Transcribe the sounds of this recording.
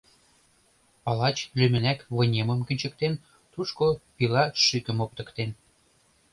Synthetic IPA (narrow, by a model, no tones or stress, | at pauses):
pɑlɑt͡ɕlymɘ̆nækβɤ̆nʲemə̆mkə̆nʲt͡ɕə̆k̚t̪en | t̪uʃkopilɑʃykə̆mop̚t̪ə̆kt̪en